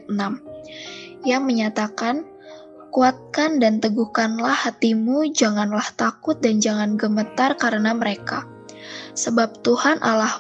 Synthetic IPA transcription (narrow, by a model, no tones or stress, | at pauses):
nam | jaŋməɲat̪akan | kuat̪̚kandant̪əɡuhkanlahːat̪imud͡ʒaŋanlaht̪akʊt̪̚dand͡ʒaŋanɡəmət̪arkaɾənaməɾeka | səbap̚t̪uhanʔalah